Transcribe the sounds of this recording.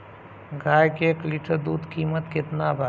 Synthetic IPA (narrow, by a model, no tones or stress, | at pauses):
ɡaːjkekliʈəɾd̪uːd̪ʱkiːmət̪kɪt̪nabʱa